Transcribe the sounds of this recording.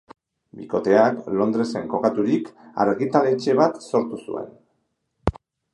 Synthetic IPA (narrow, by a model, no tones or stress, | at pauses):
bḭko̞t̪e̞aklo̞nd̪ɾe̞se̞ŋko̞kat̪uɾika̰ɾɣit̪ale̞t͡ʃe̞β̞at̪so̞ɾt̪usṵe̞̰n